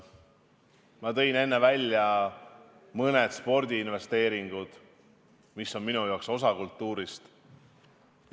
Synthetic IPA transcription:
mɑt̪ɤ̞jne̞nːe̞vælʲjɑ | mɤned̪̥spo̞rd̪̥ʲiinve̞st̪e̞ːɾiŋɡ̥ud̪̥ | misːo̞nminujo̞kso̞sɑkult̪ːuːɾist̪

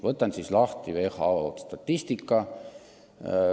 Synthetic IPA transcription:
vɤt̪ːˑɑnsislɑht̪ivehɑot̪st̪ɑt̪ːist̪ikːɑ

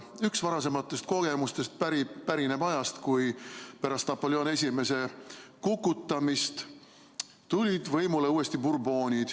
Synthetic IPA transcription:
yksvɑɾɑse̞mɑt̪ːˑe̞st̪ko̞ɡ̥e̞must̪e̞st̪̚pæɾipæɾine̞bɑjɑst̪kujpæɾɑst̪nɑpːo̞ljo̞ːne̞s̬ʲime̞se̞kukːˑut̪ːˑɑmist̪ | t̪ulʲid̪̥vɤjmule̞uːe̞st̪ipurbo̞ːnʲid̪̥

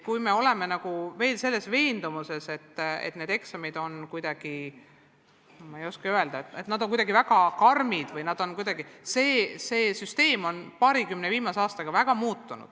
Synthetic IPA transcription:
kujme̞o̞le̞me̞nɑɡ̥uve̞ːlse̞lːe̞sve̞ːnd̪umuse̞se̞t̪ːḛt̪ːˑne̞d̪̥e̞ksɑmid̪o̞nkujd̪̥ɑɡ̥i | mɑejo̞skeye̞ld̪̥ɑet̪ːˑet̪ːnɑd̪oŋkujd̪ɑɡivæɡ̥ɑkɑrmid̪̥vɯjnɑd̪̥o̞nkujd̪̥ɑɡise̞ːseːsyst̪e̞ːmo̞npɑːɾikymneviːmɑseɑːst̪ɑɡ̥ɑvæɡ̥ɑmuːt̪ːunṵd̪̥

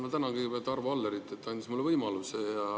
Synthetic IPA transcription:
mɑt̪ænɑkiɡvet̪ːɑrvɑɑlːeɾit̪ːˑet̪ːɑnʲd̪ʲismulːevɤjmɑlusejɑ

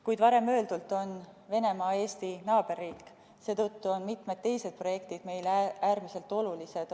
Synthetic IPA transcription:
kujd̪̥vɑɾe̞mːø̞ːld̪ult̪ˑo̞nve̞ne̞mɑːe̞ːst̪inɑːb̥e̞rːiːkː | se̞ːt̪ot̪ːuo̞nmit̪med̪̥̚t̪ːe̞jse̞d̪̥̚pro̞jekt̪id̪̥me̞jlææːɾmise̞lt̪ːˑo̞lulise̞d̪̥

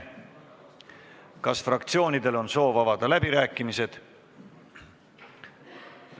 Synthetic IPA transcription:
kɑsfrɑkt̪sio̞ːnid̪e̞lo̞nso̞ːvɑvɑd̪̥ɑlæbiɾæːkːˑimise̞d̪̥

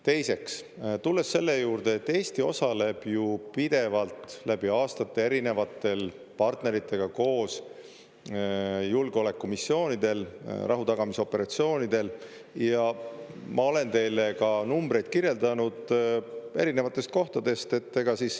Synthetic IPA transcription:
t̪e̞jse̞ks | t̪ulːe̞sːe̞lːejuːrd̪̥e̞ːt̪ːe̞ːst̪io̞sɑle̞b̥jupid̪̥e̞vɑlt̪ˑlæb̥iɑːst̪ɑt̪ːe̞e̞ɾine̞vɑt̪ːˑe̞l | pɑrt̪neɾit̪ːˑe̞ɡ̥ɑko̞ːs | julɡeo̞le̞kːumisːio̞ːnid̪̥e̞lrʔɑ̰ɦut̪ɑɡ̥ɑmiso̞pːe̞ɾɑt̪sio̞ːnid̪̥e̞l | jɑmʔɑo̞le̞nt̪e̞jle̞kɑnumbɾe̞jd̪̥̚kiɾje̞ld̪ɑnud̪̥ | e̞ɾine̞vɑt̪ːˑe̞st̪̚ko̞ht̪ɑd̪e̞st̪e̞t̪ːe̞ɡ̥ɑsiːs

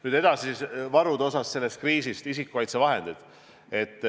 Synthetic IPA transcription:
nyːd̪̥e̞d̪̥ɑsivɑɾud̪o̞sɑsse̞lːe̞st̪̚kriːsist̪isikːˑukɑjt̪se̞vɑɦe̞nd̪id̪̥ | e̞t̪ˑː

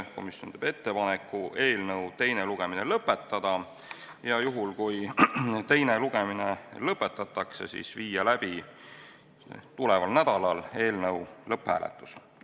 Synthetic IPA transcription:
ko̞̰misjont̪eb̥e̞t̪ːe̞pɑnekːˑue̞ːlnɤwt̪e̞jne̞luɡ̥e̞mine̞lɤpːˑe̞t̪ˑːɑd̪̥ɑ | jɑjuɦulkujt̪e̞jneluɡ̥e̞mine̞lɤpːˑe̞t̪ːˑɑt̪ːˑɑkse̞sḭsviːjɑlæb̥i | t̪ule̞vɑlnæd̪̥ɑlɑle̞ːlnɤwlɤpːhæ̰ːlḛt̪ːˑu̥s

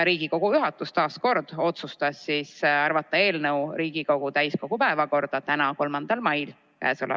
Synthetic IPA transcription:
ɾiːɡ̥iko̞ɡ̥ujuɦɑt̪ːˑust̪ɑːsko̞rd̪̥o̞t̪sust̪ɑsːisɑrvɑt̪ːˑɑe̞ːlnəwɾiːɡ̥iko̞ɡ̥ut̪æjsko̞ɡ̥upæevɑko̞rd̪̥ɑt̪ænɑko̞lmɑnd̪̥ɑlmɑjl | kæ̰ːsolɛ̰

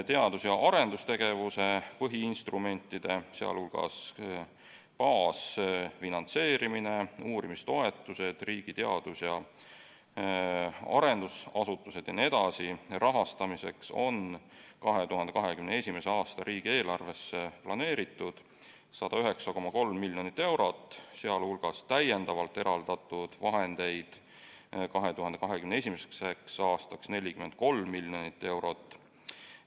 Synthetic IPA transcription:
t̪e̞ɑd̪̥usjɑʔɑɾe̞nd̪̥ust̪e̞ɡ̥e̞vuse̞pɤɦiinst̪rume̞nʲt̪ːˑid̪̥e̞seɑ̰lhulɡ̥ɑ̰s | pɑːsfinɑnt̪se̞ːɾimineuːɾimist̪o̞e̞t̪ːˑuse̞d̪̥riːɡ̥it̪e̞ɑ̰d̪̥usjɑ | ɑ̰ɾe̞nd̪usɑsut̪ːˑuse̞d̪ene̞d̪̥ɑsirʔɑɦɑst̪ɑmise̞kso̞̰nkɑɦe̞t̪uɦɑnd̪e̞kɑɦe̞kymneesʲimese̞ɑːst̪ɑɾʔiːɡ̥ie̞ːlɑrve̞sːeplɑne̞ːɾit̪ːˑud̪̥ | sɑd̪̥ɑyɦe̞ksɑko̞mːɑko̞lmːilʲːjo̞nit̪ːe̞wɾo̞t̪ːˑse̞ɑlhulɡ̥ɑst̪æjend̪ɑvɑlt̪ːˑe̞ɾɑld̪̥ɑt̪ːˑud̪̥vɑɦe̞nd̪̥e̞jd̪̥ | kɑɦe̞t̪uɦɑnd̪e̞kɑɦe̞kymnee̞sʲimesekseksɑːst̪ɑksne̞lʲikyme̞n̚ko̞lmːilʲːjo̞nit̪ːe̞wɾo̞t̪ˑː

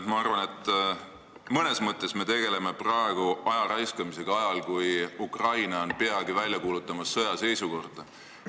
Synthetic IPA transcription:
mɑɑrvɑne̞t̪ˑː | mɤne̞smɤt̪ˑːe̞sme̞t̪e̞ɡ̥e̞le̞me̞prɑe̞ɡ̥uɑjɑɾɑjskɑmise̞ɡ̥ɑɑjɑlkujukrɑjnɑonpe̞ɑɡ̥ivælʲjɑkuːlut̪ːˑɑmɑsːɤ̞jɑse̞jsuko̞rd̪̥ɑ

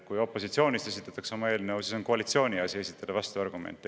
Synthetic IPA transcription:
kujo̞pːo̞sit̪sio̞ːnʲist̪e̞s̬it̪ːˑɑt̪ːˑɑksɑmɑe̞ːlineosiso̞nko̞ɑlit̪sio̞ːnʲiɑsʲie̞sit̪ːˑɑd̪ɑvɑst̪uɑrɡ̥umḛnt̪ːˑe

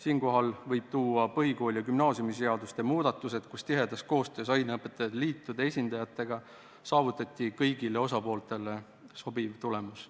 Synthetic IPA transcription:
siːnko̞ɦɑlvɤjb̥̚t̪uːɑpɤɦiko̞ːlʲjɑkymnɑːsjumise̞ɑd̪ust̪emuːd̪̥ɑt̪ˑːuse̞d̪̥kust̪iɦe̞d̪̥ɑsko̞ːst̪ø̞ːsɑjneɤpːˑe̞t̪ːˑɑjɑd̪̥liːt̪ːˑud̪e̞sʲind̪ɑjɑt̪ːˑe̞ɡ̥ɑ | sɑːvut̪ːˑɑt̪ʲˑːikɤjɡ̥ile̞o̞sɑpo̞ːlt̪e̞le̞ | so̞bivt̪ule̞mus

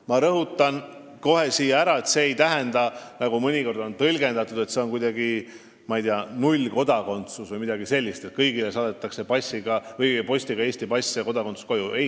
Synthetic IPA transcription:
mɑɾɤɦut̪ːˑɑn | ko̞ɦe̞siːjːɑæɾɑe̞t̪seːjt̪æɦe̞nd̪̥ɑnɑɡumɤnʲiko̞rd̪o̞nt̪ɤlʲɡe̞nd̪ɑt̪ːˑud̪e̞t̪se̞o̞nkujd̪̥ɑɡi | mɑijd̪iɑnulʲko̞d̪̥ɑko̞nt̪susvɤjmid̪̥ɑɡise̞lʲːist̪e̞t̪̚kɤjɡile̞sɑːd̪et̪ːˑɑkse̞pɑsʲːiɡ̥ɑvɤjpo̞sʲt̪iɡ̥ɑe̞ːsʲt̪ipɑsʲɑko̞d̪̥ɑko̞nsu̥sko̞jue

